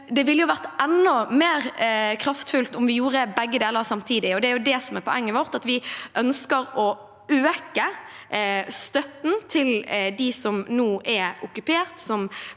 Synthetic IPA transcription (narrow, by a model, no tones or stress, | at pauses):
d̪ɛʋɪlːjʊʋæɾt̪ʔɛnːɔmeːɾkʰɾɑft̪fʉlt̪ʊmʋɪjuːɾəbɛɡːəd̪eːləɾsɑmt̪ʰiːd̪ɪɔd̪ɛæɾjʊd̪ɛsɔmɛɾpʰɔɛŋːəʋɔɾt̪ɑt̪ʋɪʔœnskəɾɔ | øːkə | st̪œt̪n̩t̪ʰɪld̪ɪsɔmnoːʔɛʊkʉpʰeːɾt̪sɔm